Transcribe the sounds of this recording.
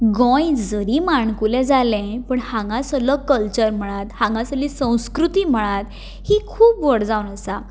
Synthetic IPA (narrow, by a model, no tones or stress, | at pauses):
ɡɔ̃jd͡zəɾimaɳkulɛ̃d͡zalɛ̃pəɳhãŋɡãsəlɔkəlt͡ɕəɾm̤əɭ̃at̪hãŋɡãsəlĩsə̃w̃skɾut̪iːm̤əɭ̃at̪ | hikʰuːpʋəɽd͡zaunəsa